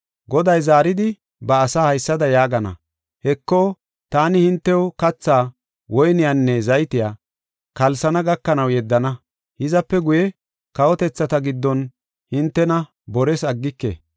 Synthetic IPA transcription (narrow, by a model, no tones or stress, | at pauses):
ɡɔd̪ɐjzaːɾɪd̪ɪ | bɐːsaːhɐjsːɐd̪ɐjaːɡɐnɐ̰ | hɛkːoː | t̪aːnɪhɪnt̪ːɛwɔkɐt͡sːaː | wɔjnɪjanːɛzɐjt̪ɪjaː | kɐlsɐnɐɡɐkːɐnɐwjɛd̪ːɐnɐ | hɪzɐpːɛɡʊjɛ | kɐwɔt̪ɛt͡sːɐt̪ɐɡɪd̪ːɔn | hɪnt̪ːɛnɐ | bɔɾɛsɐɡːɪkːḛ